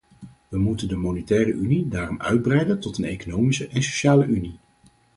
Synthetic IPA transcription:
ʋəmutəndəmonɛtɛːrəʔynidaːrɔmœ̰ɥd̚brɛjdəntɔtənejkonowmisəʔɛnso̥ʃaːləʔyni

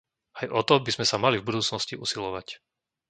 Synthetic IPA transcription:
ajʔɔt̪ɔbizmɛsamalivbud̪uːt͡snɔsciʔusilɔʋac

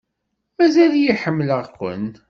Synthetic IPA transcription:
mæzæljiħəmːləʁqʷə̰n

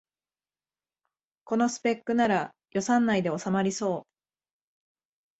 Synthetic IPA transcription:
ko̞no̞sɨ̥pe̞kːɯ̟naɾa | jo̞sãnːaid̪e̞o̞samaɾʲiso̞ː

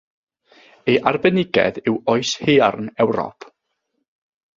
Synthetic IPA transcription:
eʔarbɛnɪɡɛ̰ðɪwɔɨshearnɛwɾɔ̰pʰ

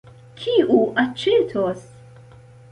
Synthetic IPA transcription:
kʰiːʔuʔɐt͡ʃːɛːt̪ʰɔs

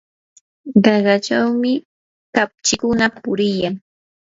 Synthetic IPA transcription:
ɢɑɢat͡ʃawmɪ | kap̚t͡ʃɪkʊnapʊɾɪjaŋ

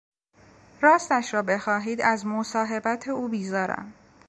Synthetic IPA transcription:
ɾɒːst̪æʃɾɒːbe̞xɒːɦiːd̪æzmosɒːɦe̞bæt̪ʰeuːbiːzɒːɾæ̰m

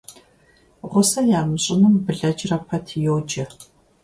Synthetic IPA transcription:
ʁʷʊsɐjaːmɨɕʼɪmɨmbɨɮɐd͡ʒrɐpʰɐtʰjoːd͡ʒɐ

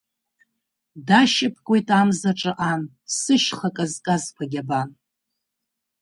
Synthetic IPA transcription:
daʃɪpʰkʷʼojtʼamzaʈ͡ʂʼɨʔan | sɨʃχakʼazkʼazkʷʰaɡʲaban

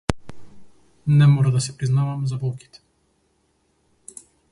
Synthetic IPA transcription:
nɛmɔɾad̪asɛpɾiznavamzabɔlˠki̥t̪ɛ̥

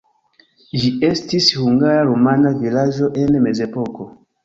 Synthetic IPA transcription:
ʒie̞stishuŋɡaɾaɾomanavilad͡ʒo̞ʔe̞nme̞ze̞po̞ko̞

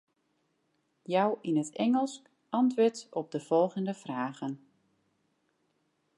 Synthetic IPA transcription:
jawʔinətɛŋəlˠsk | ʔɑntʋøtɔb̚dəv̥ɔlˠɣəndəfraːɣən

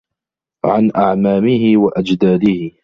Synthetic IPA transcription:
ʕanʔaʕmaːmɪhɪwaʔad͡ʒd̪aːd̪ɪhɪ

